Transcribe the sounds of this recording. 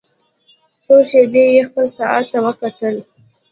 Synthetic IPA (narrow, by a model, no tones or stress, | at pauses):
soʃebejexpəlsaa̰t̪ːawəkaʈ̪əl